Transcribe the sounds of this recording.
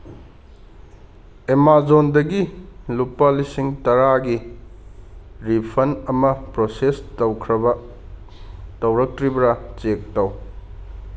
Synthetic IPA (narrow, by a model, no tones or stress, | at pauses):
emazondɐɡilupːɐlisiŋtɐɾaɡi | ɾipʰɐnɐmɐpɾosestɐwkʰɾɐbɐ | tɐwɾɐk̚tɾibɐɾɐt͡ʃek̚tɐw